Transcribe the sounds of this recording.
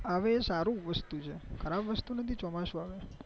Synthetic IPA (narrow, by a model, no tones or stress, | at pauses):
aʋeːsaɾũʋəst̪ut͡ʃʰekʰəɾabʋəst̪unət̪ʰit͡ʃɔmaʃũaʋe